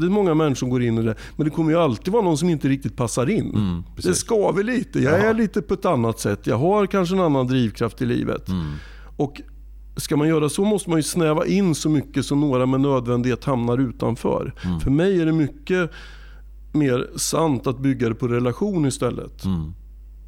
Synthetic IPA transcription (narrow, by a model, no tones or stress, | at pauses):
d̪ɛmɔŋːamɛnʂɔmɡoːɾɪnːɪd̪ɛmɛnd̪ɛkʰɔmːəjɵalt̪ɪiːd̪vɑːɾnɔnsɔmɪnt̪əɾɪk̚t̪ɪt̪̚pʰasːaɾɪnːd̪ɛskɑːvɪliːt̪əjɑːæɭiːt̪əpʰɔɛt̪anːat̪sɛt̪ːjɑ̰ːɡɦaɾkʰanʂ̬əɛnanːand̪ɾiːvkʰɾaft̪ɪlḭːvə̰t̪ | ɔk | skamanjœːɾasɔmɔst̪əmanjɵsnɛːva̰ʔɪnːsɔmʏkːəsɔmnoːɾamɛnːøːd̪vɛnd̪ɪheːt̪hamnaɾʉ̟ːt̪a̰nfœ̰ːɾfœɾmɛjæɖɛmʏkːə | meːɾsant̪at̪̚bʏɡːad̪ɛpʰɔɾɛlaɧuːnɪst̪ɛlːə̰t̪